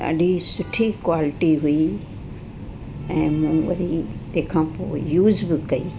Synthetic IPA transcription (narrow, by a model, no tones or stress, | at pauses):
ɐ̰ɗisʊʈʰikwaːlɪʈiɦʊi | ɛ̃ːmũːʋɐ̰ɾit̪ẽːkʰãːpo̰ːjuːzbɪkɐḭː